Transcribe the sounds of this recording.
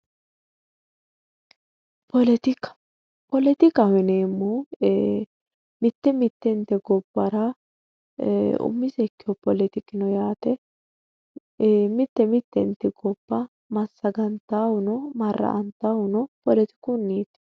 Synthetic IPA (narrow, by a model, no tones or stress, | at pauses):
pɔlɛt̪ɪk | pɔlɛt̪ɪkɐwɛneːmːɔ | mɪt̪ːɛmɪt̪ːɛnt̪ɛɡɔbːɐɾɐ | ʊ̰mːɪsɛkːɪjɔpɔlɛt̪ɪkːɪnɔjaːt̪ɛ | mɪt̪ːɛmɪt̪ːɛnt̪ːɛɡɔb̥ːɐ | mɐsːɐɡɐnt̪ːaːwʊnɔmɐrːɐ̰ʔɐnt̪awʊnɔpɔlɛt̪ɪ̥kʊnːiːt̪